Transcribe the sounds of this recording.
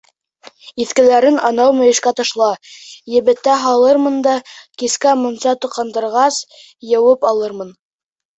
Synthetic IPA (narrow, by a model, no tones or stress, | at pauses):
iθkɘ̆læɾɘnɑnɑwmɵ̆jɘ̆ʃkæt̪ɤ̆ʃlˠɑjɘ̆βɘ̆t̪ːæɦɑlˠɤɾmɤnd̪ɑkiskæmŏnsɑt̪ŏqːɑnd̪ɤ̆ɾʁɑs | jɤ̆wɤpɑlˠɤɾmɤn